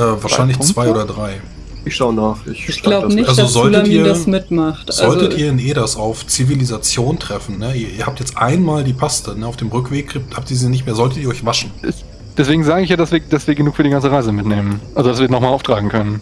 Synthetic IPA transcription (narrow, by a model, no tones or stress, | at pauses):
ʔɛːvaːɐʃaɪnlɪçt͡sv̥aɪʔoːdɐdʁaɪ | ʔɪçʃaʊnaːχɪçɪç̥laʊbənɪçʔalzozɔltəmiɐːɐamɪtmaχtʔzɔltətʔiːɐɪnʔeːɾasaʊft͡sivilizat͡sjoːntʁ̥ɛfn̩nəiːɐiːɐhaːp̚tjɛt͡stʔa̰ɪnmaːldiːpʰastənəaʊfd̥eːmʁʏkv̥eːkɪthaːp̚tiːziːnɪçtmeːɐzɔltətiːɐɔʏçv̥aʃn̩ɪs | d̥ɛsv̥eːɡŋ̩zaːɡəɪçjaːdasviːɐd̥asv̥iːɐɡənuːkfyːɐdiːɡant͡səʁaɪzəmɪtneːmənʔalzodas̬viːɐnɔχxmalʔaʊftʁ̥aːɡŋ̩kʰœnən